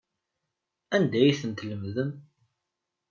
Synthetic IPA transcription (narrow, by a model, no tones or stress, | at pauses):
ænd̪æjθənt̪ləmðən